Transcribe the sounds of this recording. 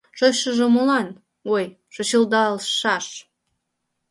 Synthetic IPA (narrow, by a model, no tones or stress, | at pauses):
ʃoʃə̆ʒɤ̆molɑn | oj | ʃŏɕɤlˠd̪ɑlʃɑʃ